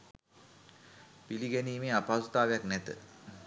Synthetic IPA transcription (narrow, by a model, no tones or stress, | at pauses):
piliɡɛniːmeːapast̪aːʋejaknɛt̪ə̰